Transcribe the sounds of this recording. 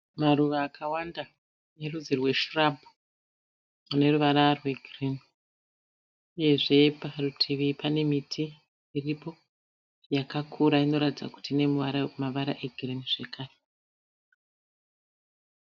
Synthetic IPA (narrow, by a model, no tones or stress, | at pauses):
maruʋaːkʰawanda | ne̞rud͡zirwe̞ʃurabʱu | une̞ruʋaɾarwe̞ɡʱrin | uje̞ʐe̞parutʰiʋipʰane̞mitʰi | iripo̞ | jakakʰuɾaino̞ɾatid͡za̰ku̥tiːne̞maʋaɾa̰ʔe̞ɡʱiriniʐe̞kʰaːre